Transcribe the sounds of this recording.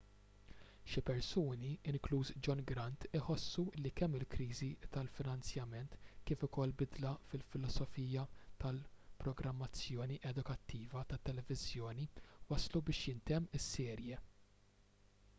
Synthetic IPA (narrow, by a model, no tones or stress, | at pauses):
ʃɪpɛɾsuːniɪŋkluːsd͡ʒɔnɡɾɐnt̪ɪħɔsːuɪlːikɛmːɪlkɾiːzit̪ɐlfɪnɐnt͡sjɐmɛnt̪kiːfʊkɔlːbɪd̪lɐfɪlfɪlɔsɔfiːjɐt̪ɐlpɾɔɡɾɐmːɐt͡sːjɔːniʔɛd̪ʊkɐt̪ːiːvɐt̪ɐt̪ːɛlɛvɪzjɔːniwɐslubɪːʃjɪnt̪ɛmːɪsːɛːɾjɛ